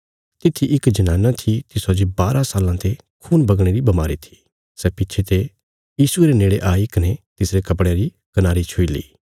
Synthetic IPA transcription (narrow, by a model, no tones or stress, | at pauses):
t̪ɪt̪ʰːiʔɪkd͡ʒɐnãːnãt̪ʰit̪ɪsod͡ʒibaːɾʔãsaːlãt̪ʰe | kʰuːnbɐɡɽ̃eːɾibɐmaːɾit̪ʰi̥ | sɛːpɪtːt͡ʃʰet̪e | jiːsueɾeneːɽeʔaːikɐnet̪ɪsɾekɐp̬ɽ̃eɾi | kɐnaːɾit͡ʃʰʊilḭː